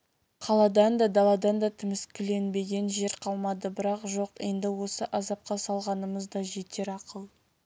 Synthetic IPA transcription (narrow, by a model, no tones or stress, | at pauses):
qʰɑlˠɑd̪ɑnd̪ɑd̪ɑlˠɑd̪ɑnd̪ɑt̪ʰɪmɪskʲʰʏle̞nbe̞ɡʲe̞nʒe̞ɾqʰɑlˠmɑd̪əbɪɾɑqʒo̞qe̞nd̪ɪwo̞səʔɑzɑp̚qɑsɑlˠʁɑnəməzd̪ɑʒe̞t̪e̞ɾɑqəlˠ